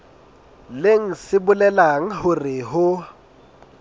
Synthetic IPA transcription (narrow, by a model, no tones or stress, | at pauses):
leŋ̩sɪbʊlɛlaŋ̩ɦʊrɪɦʊ